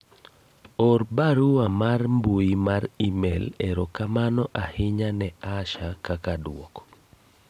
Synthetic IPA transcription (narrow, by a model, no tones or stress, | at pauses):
ɔrbaɾuamarmbuimaɾimɛlɛɾɔkamanɔʔahɪɲanɛaʃakakadwɔkɔ̥